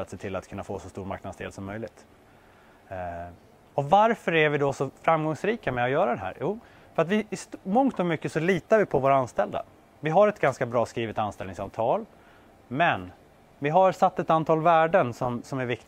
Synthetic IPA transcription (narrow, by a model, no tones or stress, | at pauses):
at̪seːt̪ʰɪlːat̪kʰɵnːafoːsɔst̪uːɾma̰ɾknad̪sd̪ḛːlsɔmːœjlɪt̪ | ɔvaɾfœɾæɾvɪd̪ɔsɔfɾamɡɔŋsɾiːkamɛɔjœːɾad̪ɛɦæ̰ːɾjuː | fœɾat̪vɪɪsmɔŋt̪ɔmʏkːəsɔliːt̪aɾvɪpʰɔvoːɾaanst̪ɛld̪a̰ | vɪɦaɾɛt̪ɡanskabɾɑːskɾiːvɪt̪anst̪ɛlnɪŋsaːvt̪ʰɑːl | mɛn | vɪɦaɾsat̪ːɛt̪ant̪ʰɑːlvæːɖənsɔmsɔmæɾvɪk̚t̪